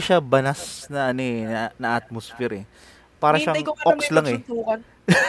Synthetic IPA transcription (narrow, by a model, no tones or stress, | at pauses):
ʃabɐnasnɐʔɐnonɐʔɐt̪̚mosfɛɾɛ | paːɾɐʃaŋʔokkslaŋɛuːkɐn